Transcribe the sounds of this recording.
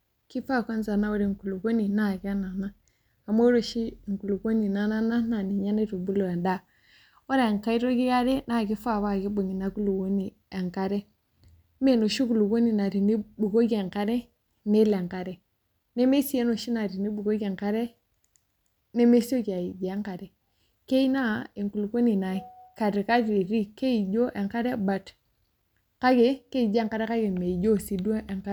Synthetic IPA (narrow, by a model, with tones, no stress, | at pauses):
ki˦fa˦˨ko˦nza˨na˦wo˦ɾi˨ŋ˨ku˨lu˨ɡo˦ni˨na˦˨ɡi˦a˦na˨na˦ | a˨mo˦ɾo˨ʃi˦˨ŋ˨ku˨lu˨ɡo˦ni˨na˨na˦na˦na˨ni˨ɲa˦ne˦tu˨bu˦lo˨e˨nda˦˨ | wo˦ɾa˨ŋ˨ka˦i˦ɾo˦ɡi˦ɡa˦ɾe˦na˦˨ɡi˦fa˦˨βa˦˨ɡi˦bo˨ŋi˨na˨ku˦lu˨ɡo˦ni˨ | e˨ŋka˨ɾe˦ | me˦˨no˨ʃi˦ku˨lu˨ɡo˦ni˨na˨ɾi˨ni˦bu˨ɡo˦ɡe˨ŋka˦ɾe˦ | ne˦le˨ŋka˨ɾe˨ | ne˦me˦si˨e˦no˨ʃi˦na˨ɾi˨ni˦bu˨ɡo˦ɡe˨ŋka˦ɾe˦ | ne˦me˦si˦o˦ka˨i˨d͡ʒŋka˨ɾe˨ | ke˦i˦na˦e˨ŋku˨lu˨ko˦ni˨na˨ka˨ɾi˨ka˦ɾi˨ɾi˦ke˦i˨ɟo˦ʔe˨ŋka˦ɾe˦ba˨t | ka˦ɡe˨ke˦i˨d͡ʒe˦˨ŋka˦ɾe˦ka˦ɡe˨me˨i˨ɟo˦si˨du˦ʔe˨ŋka˦